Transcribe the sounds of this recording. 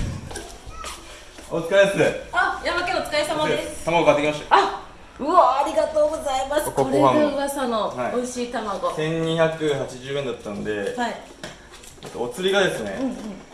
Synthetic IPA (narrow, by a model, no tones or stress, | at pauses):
ot͡sɨ̥kaemasɨajamakẽot͡sɨ̥kaesammaest̪amaɡokat̪ːekʲimaɕ̬t̪aa | ɯoaɾʲiɡat̪o̞ːɡo̞zaimasɨkooɾoãõɡasanohaioiɕiːt̪amaɡo̞sẽ̞ɲ̟ɲːiçakɯ̟ɦat͡ɕiʑɨːẽnd̪at̪ːãnd̪e̞hai | et̪ːoot͡sɨɾʲiɡad̪e̞sɨne̞̰ɯ̟̃ɯ̃ɴ